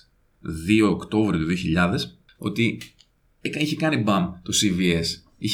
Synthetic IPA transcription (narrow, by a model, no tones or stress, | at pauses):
ðio̞ːkt̪o̞vɾiot̪uðio̞çiʎɐðe̞s | o̞t̪i | ekiçekɐnibɐmt̪osivies | i